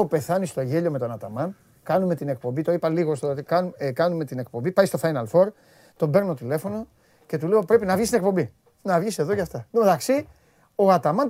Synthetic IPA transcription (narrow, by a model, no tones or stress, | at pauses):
ope̞θɐnist̪o̞ʝe̞ʎo̞met̪o̞nɐt̪ɐmɐn | kɐnume̞t̪ine̞k̚po̞mbit̪oipɐliɣost̪oot̪ikɐnkɐnume̞t̪ine̞k̚po̞mbipɐjst̪o̞fɐjnɐlfo̞ɾ | t̪o̞mbe̞ɾnot̪ot̪ile̞fo̞no̞ | ce̞t̪ule̞opɾe̞pinɐvʝist̪inekpo̞mbi | nɐvʝise̞ðocɐft̪ɐmeðɐksi | o̞ɐt̪ɐmɐn